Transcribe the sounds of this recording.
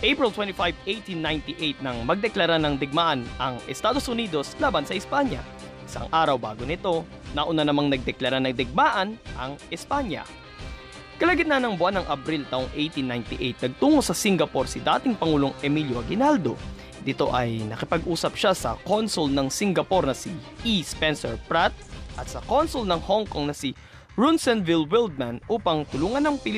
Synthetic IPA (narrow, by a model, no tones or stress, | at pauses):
ʔejpɹɪlt̪wɛ̃nt̪ifajvʔejt̪inːajnt̪iʔejt̪̚nɐŋmɐɡ̚d̪ɛklɐɾanɐŋd̪ɪɡ̚maʔɐnʔɐŋɛst̪aːd̪o̞sʔʊniːd̪o̞slaːbɐnsɐʔɪspaɲjɐ̰ | ʔɪsa̰ŋʔaːɾɐwbaːɡonɪt̪o̞ | nɐʔʊnanɐmaŋnɐɡ̚d̪ɛklɐɾanɐŋd̪ɛɡ̚maːʔɐnʔɐŋʔɪspaɲjɐ̰ | kɐlɐɡɪt̪nɐnɐŋbʊʔanːɐŋʔɐbɾilt̪aːʔʊŋʔejt̪inːajnt̪iʔejt̪̚nɐɡ̚t̪uːŋosɐsiŋɡɐpo̞ɾsid̪aːt̪ɪŋpɐŋuːlo̞ŋɛmiljoɐɡɪnald̪o̞ | d̪ɪt̪o̞̰ʔɐjnɐkɪpɐɡʔuːsɐp̚ʃasɐ̰ko̞nsʊlnɐŋsɪŋɡɐpo̞ɾnɐsi | ispɛnsɛɹpɹat̪̚ʔɐt̪̚sɐko̞nsʊlnɐŋhoŋkoŋnɐsi | ɹunsɛnvɪlwɪld̪̚mɐnʔuːpɐŋt̪ʊluːŋɐnɐŋpɪl